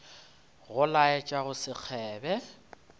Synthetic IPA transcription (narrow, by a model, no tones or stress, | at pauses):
ɣʊlaɛt͡ʃʼaɣʊsɪk͡xʰɛːbɛ